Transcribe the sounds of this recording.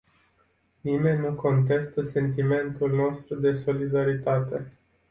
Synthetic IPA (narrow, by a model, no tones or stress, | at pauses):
nime̞nʲːuko̞nt̪̬e̞st̪əse̞nt̪ime̞nt̪ulno̞st̪ɾud̪e̞so̞lid̪aɾit̪at̪e̞